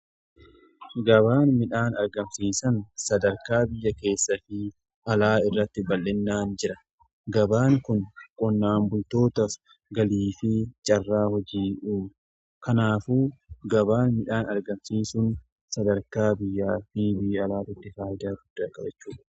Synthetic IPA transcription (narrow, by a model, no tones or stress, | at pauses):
ɡɐβaːnmɪᶑaːnɐɾɡɐmsiːsɐnsɐd̪ɐɾkaːbɪjːɐke̞ːsːɐfɪ | ʔɐlaːɪrːɐt̪ːɪbɐlːɪnːaːnd͡ʒɪɾɐ | ɡɐbaːŋkʊnkʼɔnːaːmbʊlt̪o̞ːt̪ɐf | ɡɐliːfɪt͡ʃʼɐrːaːhɔd͡ʒiːʔuː | kɐnaːfuːɡɐbaːnmɪᶑaːnɐɾɡɐmsiːsʊn | sɐd̪ɐɾkaːbɪjːaːfɪbɪjːɐlaːt̪ɪt̪ːɪfaːʔɪd̪aːɡʊd̪ːɐkʼɐbɛt͡ʃːuːᶑɐ̥